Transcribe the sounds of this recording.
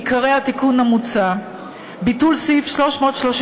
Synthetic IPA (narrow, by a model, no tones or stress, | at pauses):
kaʁejhat̪ikunhamut͡sa | bitulsifʃlo̞ʃmo̞ːt̪ʃloʃ